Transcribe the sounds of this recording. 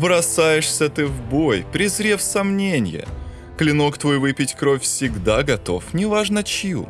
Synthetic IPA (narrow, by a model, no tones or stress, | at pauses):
vɾɐsajɪʂsʲət̪ɨvbo̞jpɾʲɪzɾʲefsɐmnʲenʲɪ̰jə̰ | klʲɪno̞kt̪vo̞jvɨpʲɪtʲkɾofʲsʲɪɡd̪aɡɐt̪o̞̰fnʲɪvaʐnət͡ɕɪjṵ